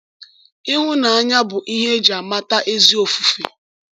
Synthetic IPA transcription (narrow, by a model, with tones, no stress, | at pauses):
i˦ɦʊ˦na˨a˦ɲa˦bʊ˨ʔi˦ɦe˦d͡ʒa˨ma˦ta˦ʔe˦zi˦o˨fu˨fḛ˨